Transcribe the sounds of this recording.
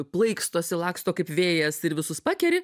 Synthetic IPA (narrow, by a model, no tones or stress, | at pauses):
plˠɐɪkst̪oːsʲɪlˠɑːkst̪oːkɐɪpʋʲeːjɛsɪɾʋʲɪsʊspɑːkʲɛɾʲɪ